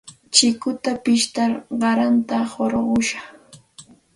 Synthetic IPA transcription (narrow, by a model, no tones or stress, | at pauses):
t͡ʃɪkʊt̪apɪʃt̪aɾɢɑɾant̪ahoɾɢʊʃɑχ